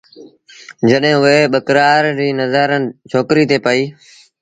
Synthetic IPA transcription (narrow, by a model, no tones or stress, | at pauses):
d͡ʒəɗɦɪ̃ːʊeːɓəkɾaːɾɾiːnəzaːɾənt͡ʃʰoːkɾiːt̪eːpəiː